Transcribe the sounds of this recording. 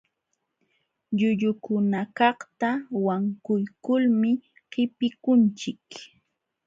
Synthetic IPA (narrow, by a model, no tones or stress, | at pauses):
ʎʊʎʊkʊnakɑχt̪awaŋkʊjkʊlmɪ | hɪpɪkʊnt͡ʃɪk